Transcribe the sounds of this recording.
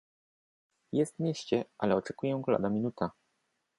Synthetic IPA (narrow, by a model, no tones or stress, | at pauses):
jɛst̪mʲjeɕt͡ɕɛʔalɛɔt͡ʂɛkujɛ̃ɡla̰d̪amʲinut̪a